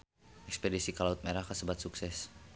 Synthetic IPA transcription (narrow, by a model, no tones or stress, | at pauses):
ʔɛkspedisikəlaut̪̚meɾahkasəbat̪̚suksɛs